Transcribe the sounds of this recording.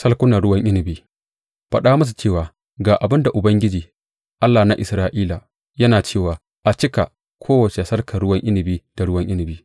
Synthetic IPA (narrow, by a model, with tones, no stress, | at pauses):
sɐ˦lkʷʊ˦nɐ˨ɽʊ˦wɐ˦ŋʔɪ˦nɪ˨biː˦ | ɸɐ˦ɗaː˦mɐ˦s̬u˨t͡ʃeː˦˨waː˨ | ɡaː˨ʔa˨bɪ˦nda˨ʔʊ˨bɐ˦ŋɡʲɪ˦d͡ʒiː˨ | ʔa˦lːaː˨na˦ʔɪ̰˨sɾaː˦ʔiː˦laː˨ | jɐ˦naː˨t͡ʃeː˦˨waː˨ | ʔa˨t͡ʃɪ˦ka˨ | kʷʰoː˦wɐ˨t͡ʃe˨sɐ˦rkɐ˨ɽʊ˦wɐ˦ŋʔɪ˦nɪ˨biː˦d̥a˨ɽʊ˦wɐ˦ŋʔɪ˦nɪ˨biː˦